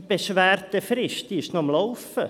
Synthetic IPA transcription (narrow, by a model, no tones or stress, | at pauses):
b̥eʃʋæːɾt̪əfɾɪʃt̪iʃnɔmlɔʊfə